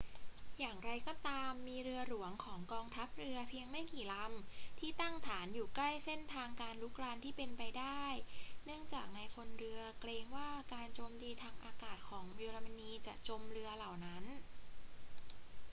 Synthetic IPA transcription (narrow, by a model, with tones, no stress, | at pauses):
jaː˨˩ŋɾa˧jkɔː˧˩t̪aː˧mːiː˧ɾɯ˧ɐɾu˩˦əŋkʰɔː˩˦ŋkɔː˧ŋt̪ʰa˦˥p̚ɾɯ˧ɐpʰi˧əŋma˥˩jkiː˨˩la˧mt̪ʰiː˥˩t̪a˥˩ŋt̪ʰaː˩˦njuː˨˩kla˥˩jse˥˩nt̪ʰaː˧ŋkaː˧nlu˦˥k̚ɾaː˧nt̪ʰiː˥˩pe˧npa˧jdaː˥˩jnɯ˥˩əŋt͡ɕaː˨˩k̚na˧jkʰo˧nɾɯ˧ɐkleː˧ŋwaː˥˩kaː˧nt͡ɕoː˧mt̪iː˧t̪ʰaː˧ŋʔaː˧kaː˨˩t̪̚kʰɔː˩˦ŋwi˧ɾa˧ma˧niː˧t͡ɕa˨˩ʔt͡ɕo˧mɾɯ˧ɐla˨˩wna˦˥n